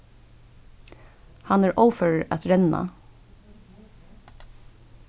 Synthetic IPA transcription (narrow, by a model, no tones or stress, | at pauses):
hɑnæːɹʔoʊfəɹæ̰t̪ɹɛnɑ̰